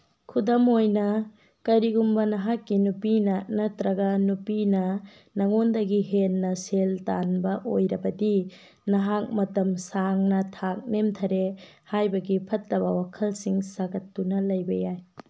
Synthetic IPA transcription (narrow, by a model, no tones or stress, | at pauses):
kʰudɐmojnɐ | kɐjɾiɡumbɐnɐɦakːinupinɐnɐtɾɐɡɐnupinɐ | nɐŋondɐɡiɦenːɐseltanbɐʔojɾɐbɐdi | nɐɦak̚mɐtɐmsaŋnɐtʰak̚nemtʰɐɾe | hajbɐɡipʰɐtlɐbɐwakʰɐlsiŋsaɡɐtːunɐlɐjbɐjaj